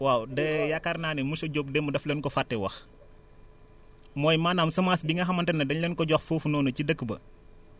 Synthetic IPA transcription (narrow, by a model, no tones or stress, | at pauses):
waːwdɛjakːarnaːnimusɔɟop̚dɛmːudɐflɛnkɔfatːɛwɐx | mɔːjmaːnaːmsɐmasbiŋɡɐxɐmɐntɐnːɐdɐɲlɛnkɔɟɔxfuːfunɔːnɐcidəkːbɐ̰